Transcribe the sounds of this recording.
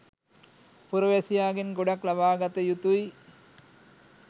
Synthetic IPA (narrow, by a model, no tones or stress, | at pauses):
puɾoʋɛsijaːɡinɡoɖaklabaːɡat̪əjut̪uj